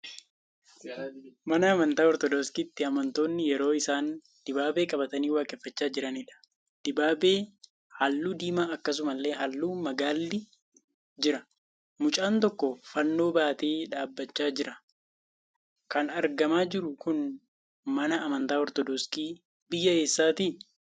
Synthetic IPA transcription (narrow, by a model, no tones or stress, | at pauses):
mɐnɐːmɐnt̪aːɔɾt̪ɔd̪oːskiːt̪ːɪɐmɐnt̪o̞ːnːɪjɛɾo̞ːɪsaːn | d̪̥ɪbaːbe̞ːkʼɐbɐt̪ɐniːwaːkʼɛfːɐt͡ʃːaːd͡ʒɪɾɐnɪᶑɐ̥ | d̪̥ɪbaːbeː | haːlːuːd̪iːmaːɐkːɐs̬ʊmɐlːe̞ːɦɐlːuːmɐɡaːlːɪ | d͡ʒɪɾɐ | mʊt͡ʃʼaːnt̪ɔkːɔfɐnːo̞ːbaːt̪e̞ːᶑaːbːɐt͡ʃːaːd͡ʒɪɾɐ | kɐnɐɾɡɐmaːd͡ʒɪɾʊkʊn | mɐnɐʔːmɐnt̪aːɔɾt̪ɔd̪ɔskiː | bɪjːɐeːsːaːt̪iː